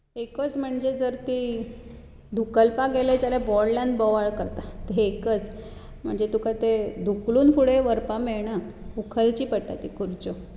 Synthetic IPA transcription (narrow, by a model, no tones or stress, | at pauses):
ekət͡sm̤əɳd͡zed͡zəɾt̪i | d̪ʱukəlpaɡeled͡zalebɔɽlãnbɔʋaɭkəɾt̪at̪eekət͡s | m̤əɳd͡zet̪ukat̪ed̪ʱukluːnfuɽeʋəɾpameɭɳaukʰəlt͡ɕiːpəʈːa̰t̪ikʰuɾt͡ɕo